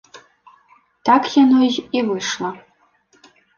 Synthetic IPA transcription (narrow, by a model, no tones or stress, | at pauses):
tʰakʰjanoʑivɨʂlˠɐ